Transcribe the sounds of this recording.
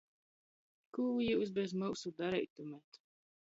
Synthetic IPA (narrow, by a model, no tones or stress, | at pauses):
kuwjuwsbɛzmuwsud̪aɾɛjt̪umɛt̪